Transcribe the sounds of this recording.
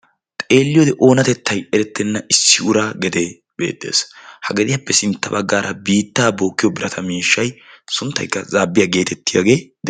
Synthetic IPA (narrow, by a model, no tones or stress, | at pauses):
t̪ʼeːlːɪjod̪ɛʔo̞ːnɐt̪ɛt̪ːɐjɛɾɛt̪ːɛnːɐʔɪsːɪʊɾaːɡɛd̪e | b̥e̞̰ːd̪ḛːshɐɡɛd̪ɪjapːɛsɪnt̪ːɐbɐɡːaːɾʔɐbiːt̪ːaːbo̞ːkːɪjɔbɪɾɐt̪ʰɐmiːʃːɐjsʊnt̪ːɐ̰jkːɐzaːbːɪjaɡe̞ːt̪ɛt̪ːɪja̰ːɡe̞ːd̪